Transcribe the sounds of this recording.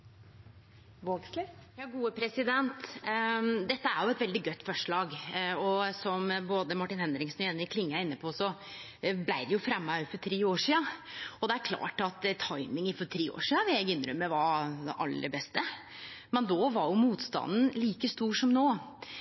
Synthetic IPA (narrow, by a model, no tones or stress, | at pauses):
ʋoɡslɪjɑːɡuːəpʰɾɛsɪd̪ɛnt̪ | d̪ɛt̪ːəæɾjʊɛt̪ʋɛld̪ɪɡœt̪ːfɔʂɭɑːɡɔsɔmboːd̪əmɑʈːɪnhɛnd̪ɾɪŋsnɔɛnːɪkʰlɪŋːəæɾɪnːəpʰɔsɔ | blæɪd̪ɛjʊfɾɛmːɑfɔʈ̪ʰɾiːoːʂiːɑɔd̪ɛæɾkʰlɑ̰ːʈɑt̪t̪ʰɑɪmɪŋɪfɔʈ̪ʰɾiːo̰ːʂiːɑʋɪæɪɡʏnːɾʉmːəʋɑɾʔɑ̰lːə̰bɛst̪ə | mɛnd̪oːʋɑɾjʊmuːt̪st̪ɑ̰nn̩liːkəst̪uːʂɔmnoː